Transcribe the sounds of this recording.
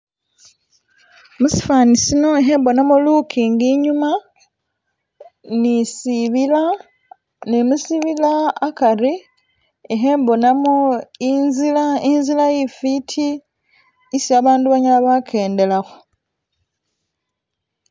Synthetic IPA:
musi̥faːnisino̞eɦe̞ːmbo̞namolukʰiŋɡiɲuma | nisiβila | nemusiβilaːkaɾi | eɦe̞ːmbo̞namoinzilainzilaifitʰiː | sjaːβaːnduβaɲalaβakʰe̞ːnde̞laxo

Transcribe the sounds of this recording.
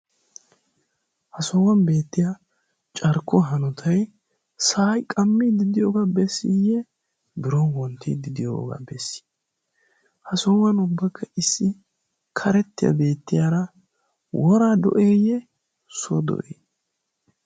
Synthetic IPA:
hɐsɔwɐnbe̞ːt̪ːɪja | t͡ʃʼɐɾkʰːɔɦɐnɔt̪ʰɐj | saːjkʼɐmːid̪ɪd̪ɪjoːɡabɛsːḭjɛ | bɪɾɔwɔnt̪ḭːd̪ɪd̪ɪjo̰ɡa̰bɛsːi̥ | hɐsɔwɐnʊbːɐkʰːɐɪsːɪ | kʰɐɾɛt̪ːɪjɐ̰be̞ːt̪ːɪjaːɾɐ | wɔɾaːd̪ɔ̰ʔeːjɛ | sɔ̰d̪ɔ̰ʔeː

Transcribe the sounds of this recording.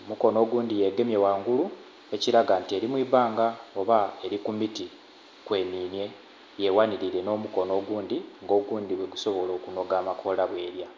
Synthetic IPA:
omuko̞no̞ɡuːndije̞ɡe̞mje̞waːŋɡulu | eciɾaɡantie̞ɾimwiːβaːŋɡao̞βae̞ɾikumiti | kwe̞ːniːnje̞ | je̞waniɾiɾe̞no̞muko̞no̞ːɡuːndiŋɡo̞ːɡuːndiβweɡuso̞βo̞lo̞ːkuno̞ɡaːmakʰo̞laβwe̞ːɾja

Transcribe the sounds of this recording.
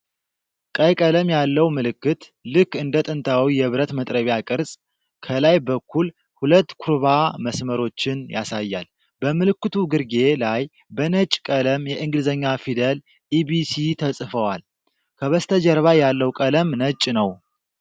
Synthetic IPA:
kʼəjkʼələmjalːəwmɨlɨkːɨt̪ | lɨkːɨnd̪ət̪ʼɨnt̪ʰawijɛβɾət̪mət̪ʼɾəβjakʼɨɾsʼ | kʰəlajbəkːul | hulət̪ːkʰuɾβaməsməɾo̞t͡ʃːɪnja̰sajːa̰l | bəmɨlɨkːɨt̪ʰuɡɨɾɡe̞laj | bənət͡ʃʼːkʼələmjɛʔɨŋɡɨlɨzəɲːafid̪əl | ʔibisit̪ʰəsʼfəwal | kʰəβəst̪ʰəd͡ʒəɾβajalːəwkʼələmnət͡ʃʼːnəw

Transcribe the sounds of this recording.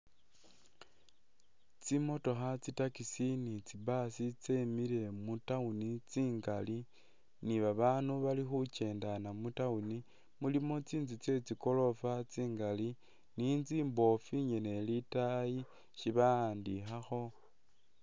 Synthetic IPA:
t͡simo̞to̞xat͡sitakisinit͡sibasit͡se̞miɾe̞mutaunit͡siːŋɡali | niβaβanuβalixut͡ʃe̞ːndanamutauni | mulimo̞t͡siːnd͡zit͡se̞t͡siko̞lo̞fat͡siːŋɡali | nind͡ziːmbo̞fiɲene̞litaji | ʃiβaaːndixaxo̞

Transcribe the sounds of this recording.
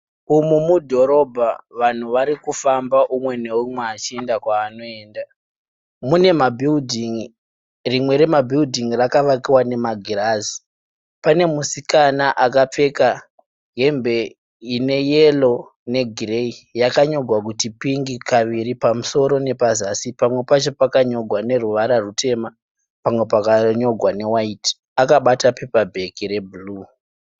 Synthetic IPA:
umumudʱo̞ɾo̞bʱaʋan̤uʋaɾikufambaʔumwe̞ne̞umweat͡ʃie̞ndakwaːno̞e̞ːnda | mune̞mabʱildʱiŋ | rimwe̞ɾe̞mabʱildʱiŋrakaʋakiwane̞maɡʱirazi | pane̞musikanaʔakap͡fe̞ka | ɡe̞mbe̞ | ine̞jelo̞ | ne̞ɡʱire̞ijakaɲo̞ɡʱwakutipiŋɡikaʋiɾipamuso̞ɾo̞ne̞pazasipamwe̞pat͡ʃo̞pakaɲo̞ɡʱwane̞ruʋaɾarutʰe̞ma | pamwe̞pakaɲo̞ɡʱwane̞waiti̥ | akaɓatape̞pabʱe̞kire̞bʱulu

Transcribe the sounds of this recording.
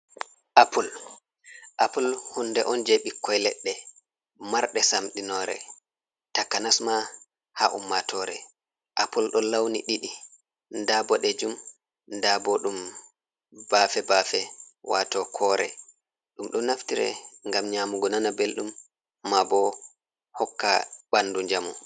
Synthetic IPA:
ʔapul | ʔapulhundɛ̰ʔɔnd͡ʒeɓikːɔjlɛ̰ɗːɛ | maɾɗɛsamɗinɔːɾɛ̰ | takːanasma | haʔumːatʰɔɾɛ̰ | ʔapulɗɔlawniɗiɗi | ndabɔɗɛd͡ʒum | ndabɔɗum | b̥afɛbafɛwa̰tɔkʰɔɾɛ̰ | ɗumɗɔnaftiɾɛ̰ŋɡamɲaːmuɡɔnanabelɗumː | abɔ | hɔkːa̰banduɲd͡ʒamu

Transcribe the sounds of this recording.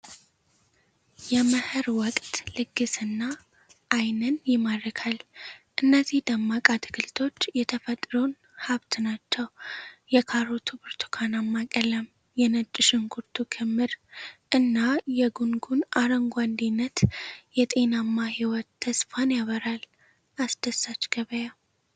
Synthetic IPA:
jɛməhɨɾwɔkʼt̪ʼlɨɡːɨsɨnːa | ʔːjnənjɪmad̪ɾəkʰalʔɨnːəzihd̪əmːakʼat̪ʰɨɡɨlt̪ʰo̞t͡ʃːjɛt̪ʰəfət̪ʼɾon | haβt̪ʰnat͡ʃːɛwjɛkʰaɾot̪ʰubɨɾt̪ʰu̥kʰanamːakʼələm | jɛnət͡ʃʼːɪʃɪŋkʰuɾt̪ʰukʰɨmːɨɾʔɨnːajɛɡuŋɡunʔaɾəŋɡʷand̪inːət̪jɛt̪ʼe̞namːahiwɔt̪ʰːəsfanjaβəɾal | ʔasd̪əsːat͡ʃɡ̥əβəja

